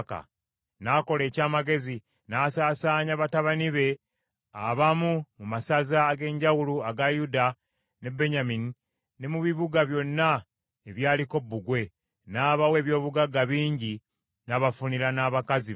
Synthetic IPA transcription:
ka̰ | nako̞le̞ːcaːmaɡe̞zi | naːsaːsaːɲaβataβaniβe̞ | aβamumumasazaːɡe̞ːɲɟawuluaɡajuda | ne̞bːe̞ɲamini | ne̞muβiβuɡaβjo̞nːa | eβjaːliko̞bːuɡwe̞ | naːβawe̞ːβjo̞ːβuɡaɡaβiːɲɟi | naːβafuniɾanaːβakazi

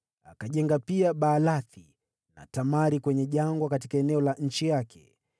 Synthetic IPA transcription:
akaʄɛŋɡapiaɓaːlaθi | na̰tamaɾikwɛɲɛʄaŋɡwakatikaɛnɛɔlaʔɲ̩t͡ʃijakʰɛ̥̰

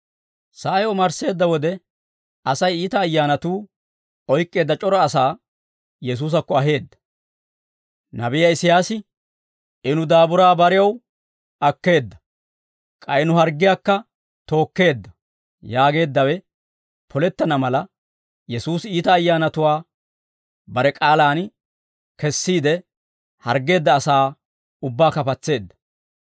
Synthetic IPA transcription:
sɐɐjɔmɐɾse̞ːd̪ːɐwɔd̪ɛ | ɐsɐjiːt̪ɐːjːaːnɐt̪uː | ɔjkʼːe̞ːd̪ːɐt͡ʃʼɔɾɔːsaː | jɛs̬uːs̬ɐkːɔɐɦe̞ːd̪ːɐ̥ | nɐbɪjɐɪsɪjaːsɪ | ʔɪnʊd̪aːbʊɾaːbɐɾɪjɐw | ɐkːe̞ːd̪ːɐ̥ | kʼɐjɪnʊɦɐɾɡɪjaːkːɐ | t̪o̞ːkːe̞ːd̪ːɐ | jaːɡe̞ːd̪ːɐwɛ | pʰɔlɛt̪ːɐnɐmɐlɐ | jɛsuːsiːt̪ɐːjːaːnɐt̪ʊwaː | bɐɾɛkʼaːlaːn | kɛsːiːd̪ɛ | hɐɾɡe̞ːd̪ːɐːsaː | ʊbːaːkɐpɐt͡sːe̞ːd̪ːɐ̥

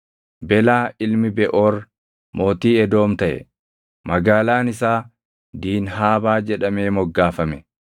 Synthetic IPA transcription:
bɛlaːɪlmɪbɛʔoːɾ | mo̞ːt̪iːɛd̪o̞ːmt̪ɐʔɛ̰ | mɐɡaːlaːnɪsaː | d̪iːnɦaːbaːd͡ʒɛᶑɐme̞ːmɔɡːaːfɐmɛ

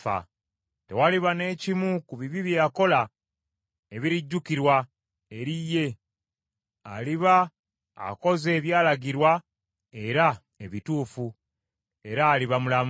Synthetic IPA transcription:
a̰ | te̞waliβane̞ːcimukuβiβiβjejako̞la | eβiɾiɟːukiɾwa | eɾijːe̞ | aliβa | a̰ko̞ze̞ːβjaːlaɟiɾwa | e̞ɾa | e̞βituːfu | e̞ɾaːliβamulam

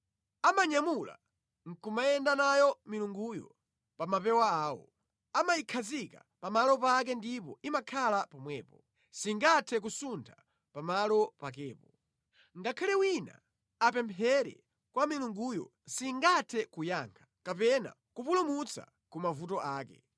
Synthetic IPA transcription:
amaɲamula̰ | ŋ̩kumajɛndanajɔmiluŋɡujɔ̰ | pamapɛwaaːwɔ̰ | amajikʰazika̰ | pamalɔpak̬ɛndipɔimakʰalapɔmwɛ̰ːpɔ | siŋɡatʰɛk̬usuntʰa | pamalɔpak̬ɛːpɔ | ŋɡakʰalɛwina̰ | apɛmpʰɛɾɛ̰ | kwamiluŋɡujɔ̰ | siŋɡatʰɛkujaːŋkʰḁkapɛna̰ | kupulumut͡sa̰ | kumavutɔʔaːkɛ̰

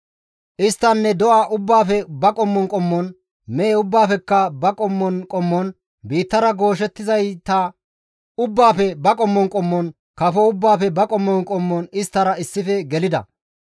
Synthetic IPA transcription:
ʔɪst̪ːɐnːɛd̪ɔʔaːʔʊbːaːfɛbɐkʼɔmːɔnkʼɔmːɔn | meːʊbːaːfɛkːɐbɐkʼɔmːɔnkʼɔmːɔn | biːt̪ːɐɾɐɡo̞ːʃ̬ɛt̪ːɪzɐjt̪ɐ | ʊbːaːfɛbɐkʼɔmːɔŋkʼɔmːɔn | kɐfɔʊbːaːfɛbɐkʼɔmːɔnkʼɔmːɔnɪst̪ːɐɾɐɪsːɪfɛɡɛlɪd̪ɐ̰

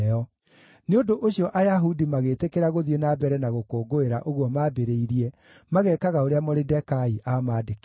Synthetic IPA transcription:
ɔ | neondoʔoɕiɔʔajaɦudimaɣetekeɾaɣoðjenabɛɾɛnaɣokoːɡoeɾaʔoɣwɔmaːbeɾeiɾiɛ | maɣɛːkaɣaoɾeamɔɾedɛkaiʔamaːdek

